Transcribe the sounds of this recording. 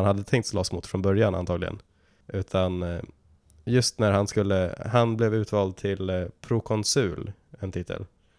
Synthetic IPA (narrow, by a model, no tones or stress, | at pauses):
nhad̪ːət̪ʰɛŋkt̪slɑːsmuːt̪fɾɔnbœɾjana̰nt̪ʰɑːɡlɪɡə̰n | ʔʉ̟ːt̪ʰan | jɵst̪næɾhanskɵlːəhanblɛvʉ̟ːt̪vɑːld̪̚t̪ʰɪlpʰɾʊkʰɔnsʉ̟ːlɛnt̪ʰɪt̪ʰːə̰l